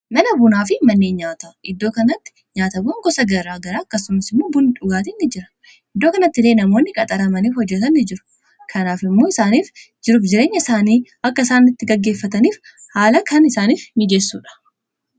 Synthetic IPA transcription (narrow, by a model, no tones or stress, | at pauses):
mɐnɐbʊnaːfɪmɐnːeːnɲaːt̪aʔɪd̪ːo̞ːkɐnɐt̪ːɪ̥ | ɲaːt̪ɐbʊŋɡɔsɐɡɐɾaːɡɐɾaːkːɐsʊmɐsɪmːo̞ːbʊnɪᶑʊɡaːt̪ɪnːɪd͡ʒɪɾɐ̥ | ʔɪd̪ːo̞ːkɐnɐt̪ːɪleːnɐmo̞ːnːɪkʼɐt̪ʼɐɾɐmɐniːfhɔd͡ʒːɛt̪ɐnːɪd͡ʒɪɾʊ̥ | kʰɐnaːfɪmːo̞ːɪsaːniːf | d͡ʒɪɾʊfd͡ʒɪɾe̞ːɲːɐɪsaːniː | ɐkːɐɪsaːnːɪt̪ːɪɡɐɡːe̞ːfːɐt̪ɐniːf | haːlɐkʰɐnɪsaːniːfmɪd͡ʒesːṵːᶑɐ̥